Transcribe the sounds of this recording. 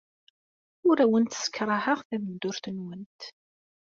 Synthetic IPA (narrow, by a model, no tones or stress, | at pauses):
ʊɾæwənt̪sə̥kːɾˤɑhəʁθæmənd̪ʊɾθənwənt̪